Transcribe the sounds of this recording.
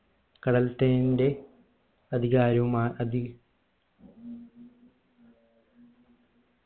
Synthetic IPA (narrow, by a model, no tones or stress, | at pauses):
kɐɽɐlt̪eːnde | ɐd̪ʱiɣaːɾɐʋumaːɐd̪i